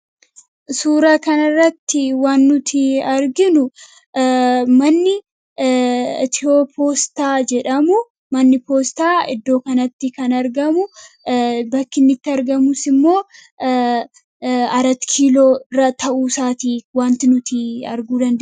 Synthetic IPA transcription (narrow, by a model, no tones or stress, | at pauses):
suːɾaːkɐnɐrːɐt̪ːɪwaːnːʊt̪ʰɪɐɾɡɪnʊ | mɐnːɪ | t̪ɪoːpʰoːst̪aːd͡ʒɛᶑɐmʊ | mɐnːɪpoːst̪aːɪ̰d̪ːo̞ːkɐnɐt̪ːɪkɐnɐɾɡɐmʊ | bɐkːɪnːɪt̪ːɪɐɾɡɐmʊsɪmːo̞ː | ɐɾɐt̪kʰiːloːɪrːɐt̪ɐʔuːsaːt̪iːwaːnt̪ɪnʊt̪ɪɐ̰ɾɡuːd̪ɐnd̪ɛ